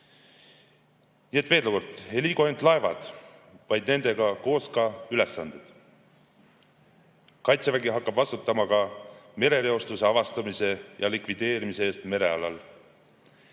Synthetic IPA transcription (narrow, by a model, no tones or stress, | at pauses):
nie̞t̪veːd̪luko̞rd̪ˑe̞lʲiɡohent̪lɑe̞vɑ̰d̪̥vɑjd̪̥ne̞nd̪̥e̞ɡ̥ɑko̞ːskɑyle̞sːɑnd̪̥ed̪̥ | kɑjt̪sevæɡiɦɑkːɑb̥vɑst̪ut̪ːˑɑmɑkɑme̞ɾe̞leo̞st̪use̞ɑvɑst̪ɑmise̞jɑlikvid̪̥e̞ːɾimiseeːst̪me̞ɾe̞ɑlɑ̰l